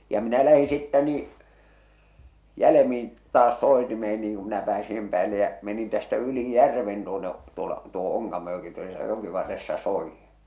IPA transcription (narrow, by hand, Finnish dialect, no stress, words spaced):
jɑ minæ læhi sitːæ niː jælemin tɑːs soˑetimeːn niːŋ ku minæ pæːsi sem pæːlːe jæ menin tæstæ yli jærʋen tuone tuolɑ tuoho̥ oŋkɑmojoki tuosɑ jokiʋɑrːesːɑ soijːi̥n̥